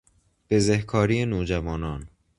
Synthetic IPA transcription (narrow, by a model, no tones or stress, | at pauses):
b̥ezehkʰɒːɾijenoːd͡ʒævɒːnɒːn